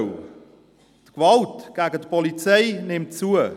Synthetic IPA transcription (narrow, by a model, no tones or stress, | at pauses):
tkvɑltɡ̥æɡətpɔlit͡seɪnɪmtt͡suə